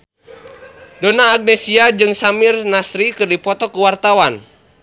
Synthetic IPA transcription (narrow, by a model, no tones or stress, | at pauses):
dɔnaːɡ̚nɛsiad͡ʒɨŋsamirnasɾikɨrdipɔt̪ɔkuwart̪awan